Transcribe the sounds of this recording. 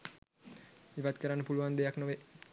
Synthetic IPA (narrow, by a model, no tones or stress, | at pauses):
iʋat̪kəɾanːəpuluʋand̪ejaknoʋe